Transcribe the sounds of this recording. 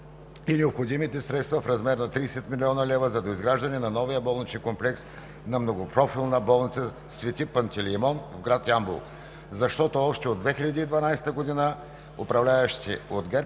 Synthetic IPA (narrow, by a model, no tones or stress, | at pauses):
inɛopxod̪imit̪ɛsɾɛt̪st̪vɐfɾɐzmɛɾnɐt̪ɾisɛt̪milʲiɔnɐlɛvəzɐd̪oizɡɾaʒd̪ɐnɛnɐnɔvijəbɔlˠnit͡ʃɛnkomplɛks | nɐmnoɡopɾɔfilˠnəbɔlˠnit̪sə | svɛt̪ʲipɐnt̪ɛlimɔnvɡɾat̪ambṵlˠ | zɐʃt̪ɔt̪oɔʃt̪ɛod̪vɛxilʲɐd̪iːd̪vɐnajsɛ̥t̪əɡod̪inə | opɾɐvlʲaɛʃt̪ḭod̪ɡɛɾ